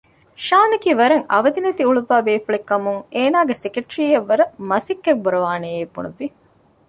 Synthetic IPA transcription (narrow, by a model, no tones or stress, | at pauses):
ʃaːnɐkiːʋɐɾeŋɐ̰ʋɐd̪inɐt̪iuɭuʋaːbeːfuɭekːɐmuŋeːnaːɡesekeʈɾiːɐʋːɐɾɐmɐsikːek̚buɾɐʋaːneːeːbːṵnuʋi